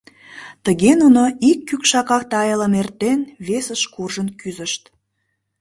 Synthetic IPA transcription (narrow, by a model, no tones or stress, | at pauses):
t̪əɣenunoikːykʃɑkɑk̚t̪ɑjələmert̪enβesəʃkurʒənkyzəʃt̪